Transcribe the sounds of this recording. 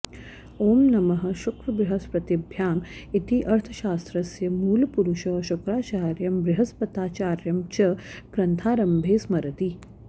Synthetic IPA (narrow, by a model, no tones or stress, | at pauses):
oːmnɐmɐɦɐ̆ʃukɾɐbɾɪɦɐspɾɐt̪ibʱjaːmit̪iʔɐɾt̪ʰɐ̥ʃaːst̪ɾɐsjɐmuːlpuɾuʃɐʃukɾaːt͡ʃaːɾjɐmbɾɪɦɐspɐt̪aːt͡ʃaːɾjɐmt͡ʃɐɡ̥ɾɐnt̪ʰaːɾɐmbʱeːsmɐɾɐt̪i